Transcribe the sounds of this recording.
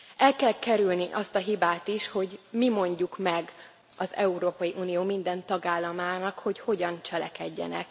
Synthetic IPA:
ɛlkɛlkɛɾylniʔɒst̪ɒɦibaːt̪iʃho̞ɟmimo̞ɲɟukmɛɡ | ɒzɛuɾoːpɒjiʔuːnijoːmind̪ɛnt̪ɒɡaːlːɒmaːnɒkho̞cho̞ɟɒnt͡ʃɛlɛkɛɟːɛ̰nɛ̰k

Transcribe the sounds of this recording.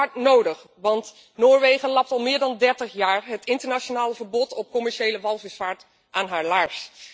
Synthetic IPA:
ɑɹtnowdəχ | ʋɑnt | noːɹʋejχəlɑp̚tɑlˠmɪːɹdɑndɛɹtəχjaːɹɦətɪntəɹnat͡ʃonaːləvəɹbɔtɔp̚kɔmɛɹʃejləʋɑlˠvɪsfaːɹt | ʔaːnɦaːɹlaɹs

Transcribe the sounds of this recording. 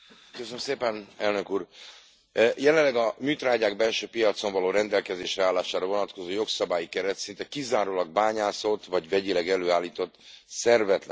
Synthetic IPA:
køsønmseːpɛnɛlnø̞kuːr | jɛlɛllːɛɡɒmyːt̪raːɟaːɡbɛlʃøːpijɒt̪so̞ɱvɒloːɾɛnd̪ɛlkɛzeːʃrɛaːlːaːʃaːɾɒvo̞nɒt̪ko̞zoːjo̞ksɒbaːjikɛɾɛt̪sint̪ɛkizaːɾolɒɡ̚baːɲaːsot̪vɒɟvɛɟilɛɡɛløːaːlːiːt̪o̞t̪ːsɛrvɛt̪lɛ

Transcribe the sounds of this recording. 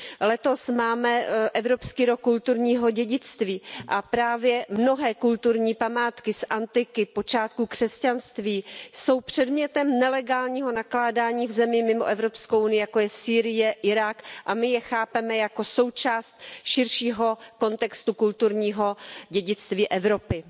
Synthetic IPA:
lɛt̪o̞smaːmɛʔɛvɾopskiːɾokːult̪uɾɲiːɦo̞ɟɛɟɪt͡st̪viːʔapɾaːvjɛmno̞ɦɛːkult̪uɾɲiːpamaːt̪kɪsʔant̪ɪkɪpo̞t͡ʃaːt̪̚kuːkr̝̥ɛscanst̪viːso̞wpr̝̥ɛdmɲɛt̪ɛmnɛlɛɡaːlɲiːɦo̞naklaːdaːɲiːvzɛmɪmɪmo̞ʔɛvɾo̞pskowʔunɪjɪjako̞jɛsiːɾɪjɛʔɪɾakʔamɪjɛxaːpɛmɛjako̞so̞wt͡ʃaːst̪ʃɪɾʃiːɦo̞ko̞nt̪ɛkst̪ukult̪uɾɲiːɦo̞ɟɛɟɪt͡st̪viːʔɛvɾo̞pɪ

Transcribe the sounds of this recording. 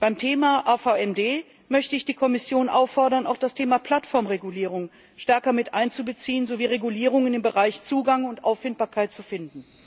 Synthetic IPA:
b̥aɪmtʰeːmaʔaːfaɛmdeː | mœçtəɪçd̥iːkʰɔmɪsjoːnʔaʊfɔɐɾɐna̰ʊxd̥astʰeːmapʰl̥atfɔɐmʁeɡuliːʁ̞ʊŋ | ʃtɛɐkɐmɪtʔaɪnt͡subət͡siːənzoviːʁeɡuliːʁ̞ʊŋɪndeːnbəʁaɪçt͡suːɡaŋʊntʔa̰ʊfɪnt̚b̥aːɐkʰaɪt̚t͡sufɪndn̩

